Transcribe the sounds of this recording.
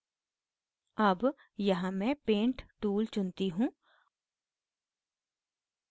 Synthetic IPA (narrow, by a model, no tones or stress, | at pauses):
ɐb | jɐɦãmɛ̃pẽːɳʈʈuːlt͡ʃʊnt̪iɦũː